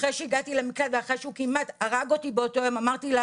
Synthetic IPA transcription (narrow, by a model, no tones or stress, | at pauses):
ʁejʃeiɡatilemiklaveaχʁeʃeukimataʁaɡo̞tibeo̞to̞emamaʁtila